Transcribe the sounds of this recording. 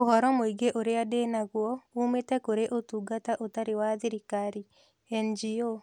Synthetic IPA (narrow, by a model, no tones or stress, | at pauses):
ohɔɾɔmoiɡeʔoɾeadenaɣwɔumetɛkoɾeʔotuɡataʔotaɾewaðiɾikaɾi | ɛnd͡ʒio